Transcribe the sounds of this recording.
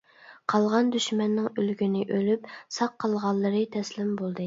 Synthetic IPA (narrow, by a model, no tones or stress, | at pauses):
qʰɑlˠʁɑnd̪yʃmɛnːɪŋylɡʲynɪʔølypsɑqʰːɑlˠʁɑlˠːəɾɨt̪ʰɛslɪmbolˠd̪ɨ